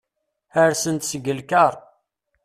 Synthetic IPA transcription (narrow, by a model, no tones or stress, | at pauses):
əɾsənt̪səɡəlkəɾˤ